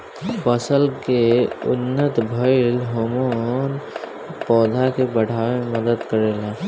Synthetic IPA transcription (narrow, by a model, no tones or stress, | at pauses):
pəsəlkeʊ̰nːət̪bʱəɪlɦomon | pɔːd̪ʱakebəɽ̤ʱaːʋeməd̪əd̪kəɾeːla